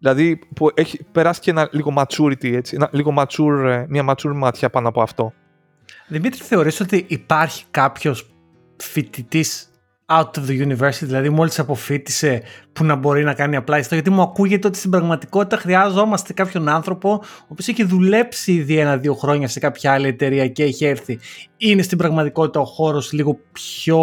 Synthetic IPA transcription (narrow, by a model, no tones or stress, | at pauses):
ðilɐðipuʔeçipe̞ɾɐsi̥ceenɐliɣo̞mɐt͡suɾit̪ie̞t͡sienɐliɣo̞mɐt͡suɾmɲɐmɐt͡suɾmɐt̪çɐpɐnoɐpoɐft̪o̞ | ðimit̪ɾi̥θe̞o̞ɾiso̞t̪iʔːpɐɾçi̥kɐpço̞s | fit̪it̪is | aut̪ovðejuniveɾsi̥t̪iðilɐðimo̞lisɐpo̞fit̪i̥se̞punɐbo̞ɾinɐkɐniɐplɐist̪o̞ʝɐt̪̬imuɐkuʝe̞t̪e̞o̞t̪i̥st̪ibɾɐɣmɐt̪i̥ko̞t̪i̥t̪ɐxɾiɐzo̞mɐst̪e̞kɐpço̞nɐnθɾo̞po̞oːpio̞seçiðule̞psiiðie̞nɐðio̞xɾo̞ɲɐsekɐpçɐɐlie̞t̪e̞ɾiɐceeçieɾθiine̞st̪imbɾɐɣmɐt̪iko̞t̪i̥t̪ɐo̞xo̞ɾo̞sliɣo̞pço̞